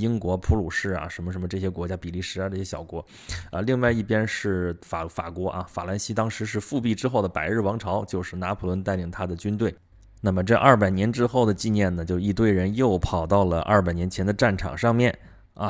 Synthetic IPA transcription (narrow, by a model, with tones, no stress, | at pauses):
i˥ŋkwɔ˧˥pʰu˧˥lu˨˩ʂɻ̩˥˩ɐ̰˩ʂə˧˥mə˧ʂə˧˥mə˧ʈ͡ʂɤ˥˩ɕjɛ˥kwɔ˧˥t͡ɕja˥pi˨˩li˥˩ʂɻ̩˥a˧˦ʈ͡ʂɤ˥˩ɕjɛ˥ɕjɑ̰˨˩ʊkwɔ˧˥ | ə˧li˥˧ŋwa˥˧ɪi˥˩pjɛ˥nʂɻ̩˥˩fa˨˩fa̰˨˩kwɔ˧˥ʔɐ̰˧fa̰˨˩la˧˥˩nɕi˥t̪ɑ˥ŋʂɻ̩˧˥ʂ̬ɻ̩˥˧fu˥˧pi˥˩ʈ͡ʂɻ̩˥xo˥˩ʊd̪ə˩pa˨˩ɪɻ̩˥˩wɑ˧˥ŋʈ͡ʂʰɑ˧˥ʊt͡ɕjo˥˧ʊʂɻ̩˥˩na˧˥pʰu˨˩lwə˧˥nt̪a˥˩ɪli˨˩ŋt̪ʰa˥d̪ə˨t͡ɕy˥nt̪we˥˩ɪ | na˥˩mə˩ʈ͡ʂɤ˥˧ʔɐ˥˩pa˨˩ɪnjɛ˧˥nʈ͡ʂɻ̩˥xo˥˩ʊd̪ə˩t͡ɕi˥˧njɛ˥˩nnə˩t͡ɕjo˥˧ʊi˥˧t̪̬we˥˩ɪɻə˧˥njo˥˩ʊpʰɑ˨˩ʊt̪ɑ˥˩ʊlə˩ʔɐ̰˥˩p̬a˨˩ɪnjɛ˧˥nt͡ɕʰɛ˧˥nd̪ə˧ʈ͡ʂa˥˩nʈ͡ʂʰɑ̰˨˩ŋʂɑ˥˧ŋmjɛ˥˩n | ɐ˧